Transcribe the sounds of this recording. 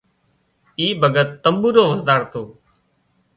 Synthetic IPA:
iːbʱəɡʱət̪ːəmbuːɾoːʋəzd̪aːɽt̪oː

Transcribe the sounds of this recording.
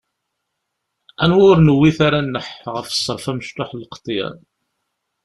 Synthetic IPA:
ænwʊɾnəwːiθaɾanːəħʁəfsˤːəɾˤfæməʃt̪oħlqə̥t̪ˤːjæ̰n

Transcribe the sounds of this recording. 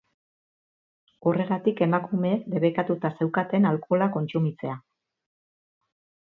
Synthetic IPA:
ure̞ɣat̪ike̞makume̞ːkd̪e̞βekat̪ut̪ase̞wkat̪e̞nalko̞lako̞nt͡sumit͡se̞a

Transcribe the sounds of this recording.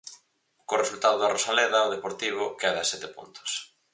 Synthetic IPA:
koresult̪aðoðarosalɛðɐoðepoɾt̪iβ̞ʊkɛðɐsɛt̪epunt̪ʊ̥s

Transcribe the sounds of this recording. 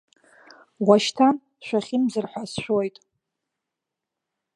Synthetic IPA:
waʃtʰan | ʃʷᶣaχʲɪmzɨrħʷasʃʷᶣojtʼ

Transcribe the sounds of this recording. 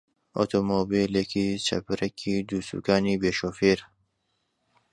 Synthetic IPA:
ʔo̰t̪ʰoːmobilekit͡ʃʰɐ̰pɨɾɛkʰiːd̪uːsṵːkaːniːbeːʃoːfeːɾ

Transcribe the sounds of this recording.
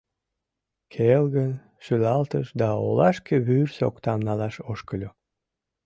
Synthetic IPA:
kʰelɣən | ʃylɑlt̪əʃd̪ɑo̰lɑʃkeβyrso̰kt̪ɑmnɑlɑʃoʃkəlʲo

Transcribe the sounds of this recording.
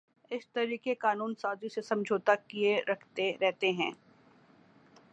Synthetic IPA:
ɪst̪ɐɾiːkekaːnuːnsaːzisesɐ̃md͡ʒʱoːt̪akieɾɐkʰt̪eɾɛɦt̪eɦɛ̃ː

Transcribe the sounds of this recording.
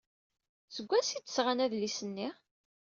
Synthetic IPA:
səɡʷːæsid̪əsʁanæðlisənːi

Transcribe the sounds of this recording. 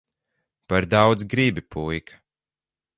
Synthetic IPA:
paɾd̪awd̪zɡɾibʲipujkʰḁ

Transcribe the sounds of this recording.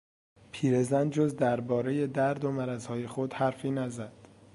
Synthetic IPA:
pʰiːɾe̞zænd͡ʒozd̪æɾbɒːɾe̞je̞d̪æɾd̪omæɾæzhɒːje̞xod̪hæɾfiːnæzæd̪̥

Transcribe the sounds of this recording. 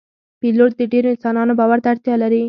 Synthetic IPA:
piloʈ̚d̪əɖeɾoɪnsɑnɑnobɑwaɾt̪aɽt̪jɑlaɾi

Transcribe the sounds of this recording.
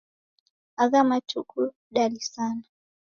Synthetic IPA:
aɣamatuku | ɗalisana

